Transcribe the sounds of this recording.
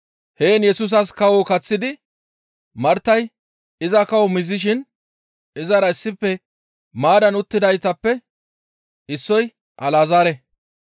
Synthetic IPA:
he̞ːnjɛsuːs̬ɐskɐwɔkɐt͡sːɪd̪ɪ | mɐɾt̪ːɐj | ɪzɐkɐwɔmɪzːɪʃ̬ɪn | ɪzɐɾɐɪsːɪpːɛ | maːd̪ɐnʊt̪ːɪd̪ɐjt̪ɐpːɛ | ɪsːɔj | ʔɐlaːzaːɾɛ

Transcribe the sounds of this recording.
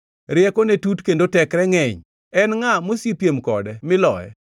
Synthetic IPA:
ɾɪɛkonetutkendotɛkɾɛŋɛɲ | ɛnŋamosipjemkɔ̰dɛmɪlɔ̰ɛ̰

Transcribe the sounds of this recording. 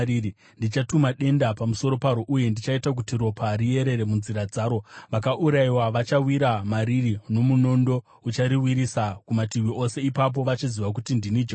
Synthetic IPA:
ii | ndit͡ʃatumaɗe̞ndapamuso̞ɾo̞paɾoʔuje̞ndit͡ʃaitak̬utiɾo̞pʰaɾije̞ɾe̞ɾe̞munziɾad͡zaːɾo̞ʋakaʔuɾaiwaʋat͡ʃawiɾamaɾirino̞muno̞ndo̞ | ut͡ʃaɾiwiɾisakumatiwiʔo̞se̞ipap̬o̞ʋat͡ʃiziʋak̬utindinid͡ʒa

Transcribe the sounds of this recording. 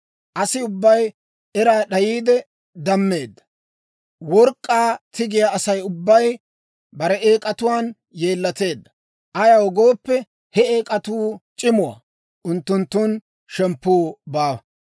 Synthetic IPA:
ʔɐsɪʊbːɐj | ʔɛɾaːɗɐjiːd̪ɛ | d̪ɐmːe̞ːd̪ːɐ̥ | wɔɾkʼːaːt̪ɪɡɪjaɐsɐjʊbːɐj | bɐɾɛeːkʼɐt̪ʊwaːn | jeːlːɐt̪e̞ːd̪ːɐ | ʔɐjɐwɔɡoːpːɛ | hɛeːkʼɐt̪uːt͡ʃʼɪmʊwa̰ | ʔʊnt̪ːʊnt̪ːʊn | ʃɛmpːuːbaːɐ

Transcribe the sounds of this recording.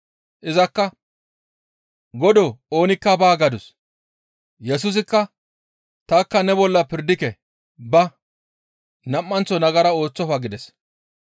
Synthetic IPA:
ʔɪzɐkːɐ | ɡɔd̪ɔo̞ːnɪkːɐbaːɡɐd̪ʊs | jɛs̬ʊs̬ɪkːɐ | t̪akːɐnɛbɔlːɐpɪɾd̪ɪkɛ | bɐ | nɐmːɐnt͡sːɔnɐɡɐɾɐo̞ːt͡sːɔfɐɡɪd̪ɛs

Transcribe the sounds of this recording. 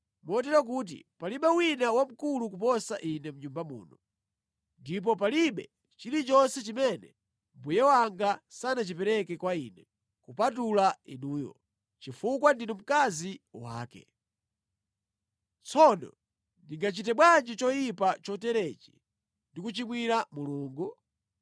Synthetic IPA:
mɔt̬ɛɾak̬uːt̬ḭpaliɓɛwinawam̩kuluk̬upɔsaʔinɛm̩ɲumbamṵːnɔ | ndip̬ɔpaliɓɛ̰ | t͡ʃilit͡ʃɔnsɛt͡ʃimɛnɛ | mbujɛwaŋɡasanat͡ʃipɛɾɛkɛkwaḭːnɛ | kupatulaḭnuːjɔ̰ | t͡ʃifukwandinɔm̩kaziwa̰ːkɛ̰ | t͡sɔnɔ̰ | ndiŋɡat͡ʃitɛɓwand͡ʒit͡ʃɔjipat͡ʃɔtɛɾɛt͡ʃi̥̰ | ndikut͡ʃimwiɾamuluːŋɡu

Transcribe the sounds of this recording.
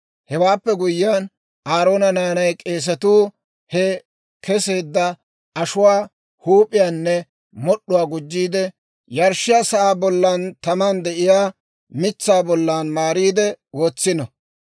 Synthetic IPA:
hɛwaːpːɛɡʊjɪan | aːɾo̞ːnɐnaːnɐjkʼe̞ːs̬ɐt̪uː | hɛ | kɛseːd̪ːɐ | ʔɐʃʊwaː | huːpʼːɪjaːnːɛ | mɔɗːʊwaːɡʊd͡ʒːiːd̪ɛ | jɐɾʃːɪjaːsɐʔaːbɔlːant̪ɐmand̪ɛʔɪjaː | mɪt͡sːaːbɔlːaːnmaːɾiːd̪ɛwoːt͡sːɪnɐ

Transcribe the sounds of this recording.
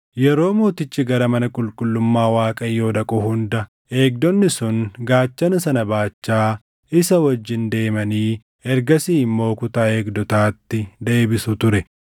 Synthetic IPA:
jɛɾo̞ːmoːt̪ɪt͡ʃːɪɡɐɾɐmɐnɐkʼʊlkʼʊlːʊmːaːwaːkʼɐjːo̞ːd̪ɐkʼʊhʊnd̪ɐ | e̞ːk̚d̪ɔnːɪsʊnɡaːt͡ʃːɐnɐsɐnɐbaːt͡ʃːaː | ɪsɐwɐd͡ʒːɪnd̪e̞ːmɐniː | ɛɾɡɐsiːmːo̞ːkʊt̪aːe̞ːɡd̪ɔt̪aːt̪ːɪd̪e̞ːbɪsʊt̪ʊɾɛ

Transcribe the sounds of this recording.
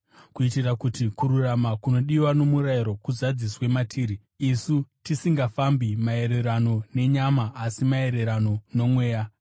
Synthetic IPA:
kuitirakutikuɾuramakuno̞ɗiwano̞muraiɾo̞kuzad͡ziswe̞matʰiːɾiː | sutisiŋɡafambimae̞ɾe̞ɾano̞ne̞ɲamaʔːsimae̞ɾe̞ɾano̞no̞mwe̞ːja

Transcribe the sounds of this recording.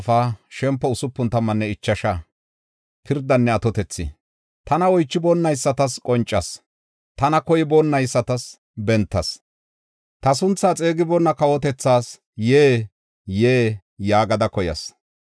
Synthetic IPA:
faːʃɛmpːɔʊsʊpːʊnt̪ɐmːɐnːɛɪt͡ʃːɐʃɐ | pʰɪɾd̪ɐnːɛɐt̪ɔt̪ɛt͡sːɪ̰ | t̪ɐnɐɔjt͡ʃːɪbɔnːɐjsːɐt̪ɐskʼɔnt͡ʃʼːɐs | t̪ɐnɐkɔjɪbɔnːɐjsːɐt̪ɐs | bɛnt̪ːɐs | t̪ɐsʊnt͡sːaːt͡sʼe̞ːɡɪbɔnːɐkɐwɔt̪ɛt͡sːaːs | jeː | jeː | jaːɡɐd̪ɐkɔjɐ̰s

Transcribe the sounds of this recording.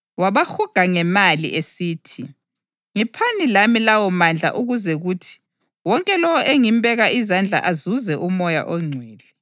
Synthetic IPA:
waβaxuɡ̥ʱaŋɛmalḭʔesiːtʰi | ŋipʰanilamilawɔmand͡ɮʱa̰ʔuɣuzɛɣuːtʰi̥ | wɔŋkʼɛlɔwɔʔeŋimbʱɛɣaʔizand͡ɮʱa̰ʔazuzɛʔumɔja̰ʔɔŋ͡ǀʱwɛːlɛ

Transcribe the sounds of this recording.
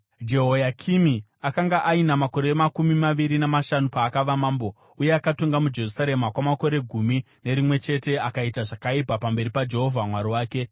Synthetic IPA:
d͡ʒe̞ɦo̞jakʰimi | akaŋɡaʔainamako̞ɾe̞makumimaʋiɾinamaʃanupaːkaʋamaːmbo̞ | uje̞akatoŋɡamud͡ʒe̞rusaɾe̞makwamako̞ɾe̞ɡʱumi | ne̞ɾimwe̞t͡ʃe̞te̞akaitaʐakaipapambe̞ɾipad͡ʒe̞ɦo̞vʱamwaɾiwaːke̞

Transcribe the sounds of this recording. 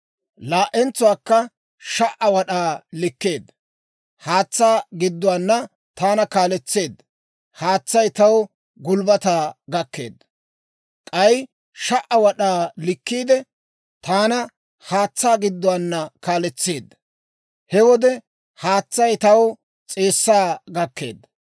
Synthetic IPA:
laːʔɛnt͡sːʊwaːkːɐ | ʃɐʔɐwɐɗaːlɪkːe̞ːd̪ːɐ̥ | haːt͡sːaːɡɪd̪ːʊwaːnːɐ | t̪aːnɐkaːlɛt͡sːe̞ːd̪ːɐ | haːt͡sːɐjt̪ɐw | ɡʊlbɐt̪aːɡɐkːe̞̰ːd̪ːɐ | kʼɐj | ʃɐʔɐwɐɗaːlɪkːiːd̪ɛ | t̪aːnɐ | haːt͡sːaːɡɪd̪ːʊwaːnːɐkaːlɛt͡sːe̞ːd̪ːɐ̥ | hɛwɔd̪ɛ | haːt͡sːɐjt̪ɐw | t͡sʼe̞ːsːaːɡɐkːe̞̰ːd̪ːɐ̥

